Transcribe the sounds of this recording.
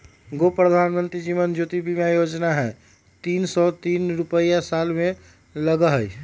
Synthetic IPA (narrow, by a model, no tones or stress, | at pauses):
ɡopɾəd̪ʱanmənt̪ɾid͡ʒimənd͡ʒot̪ibʱimajod͡ʒnaɦɛ | t̪iːnsɔt̪iːnɾupəjasalmẽ | ləɡəɦəj